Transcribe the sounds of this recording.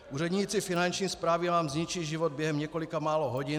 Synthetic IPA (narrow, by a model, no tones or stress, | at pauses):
uːr̝ɛd̪ɲiːt͡sɪfɪnant͡ʃɲiːspɾaːvinaːmzɲit͡ʃiːʒivod̪̚bjɛɦɛmɲɛkolɪkamaːloɦoɟɪ